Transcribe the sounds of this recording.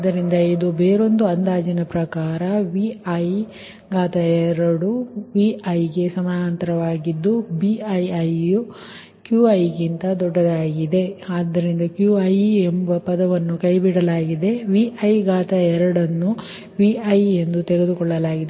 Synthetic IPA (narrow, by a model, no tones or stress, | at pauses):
ɐd̪ːɐɾind̪ɐid̪ubeːɾo̞nd̪uɐnd̪aːd͡ʒinɐpɾɐkaːɾɐʋiɐj | ɡaːt̪ɐɛɾɐɽuʋiɐjɡe̞sɐmaːɐnt̪ɐɾɐʋaːɡid̪ːubiɐjɐju | kjuɐjɡint̪ɐd̪ɔɖːɐd̪aːɡid̪e̞aːd̪ːɐɾind̪ɐkjuɐjembɐpɐd̪ɐʋɐnːukɐjbiɽɐlaːɡid̪e̞ʋiʔɐjɡaːt̪ɐɛɾɐɽɐnːu | ʋiɐjend̪ut̪eɾed̪ukɔɭːɐlaːɡid̪